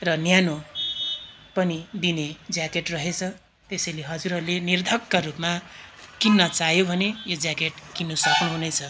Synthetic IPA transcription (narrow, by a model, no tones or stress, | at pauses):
rʌnjano | pʌnid̪ined͡zjakeʈrʌɦet͡sʰʌ | t̪esʌjleɦʌd͡zuɾʌlenird̪ʱʌkːaɾupmakinːʌt͡saɦjobʱʌnejod͡zjakeʈkinːusʌknuɦunʌjt͡sʰʌ